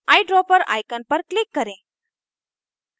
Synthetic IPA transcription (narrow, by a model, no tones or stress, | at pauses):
ajɖɾɔpəɾa̰jkənpəɾklikːəɾẽ